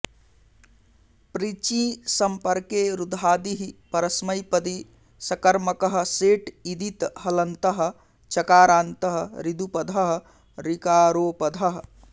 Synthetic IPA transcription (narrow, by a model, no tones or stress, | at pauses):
pɾit͡ʃĩsəmpəɾkeɾud̪ʱaːd̪iɦipəɾəsməjpəd̪i | sɐkəɾməkəɦseʈid̪it̪ɦɐlənt̪əɦ | t͡ʃɐkaːɾaːnt̪əɦɾid̪upəd̪ʱəɦ | ɾikaːɾoːpəd̪ʱəɦ